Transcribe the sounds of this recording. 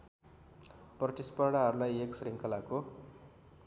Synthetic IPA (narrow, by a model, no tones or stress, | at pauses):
prʌt̪ispaɽaɦʌɾulajeksriŋkʰʌlako